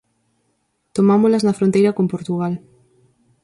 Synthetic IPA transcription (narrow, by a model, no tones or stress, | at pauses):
t̪omamolɐznɐfɾõnt̪ejɾɐkompoɾt̪uɣal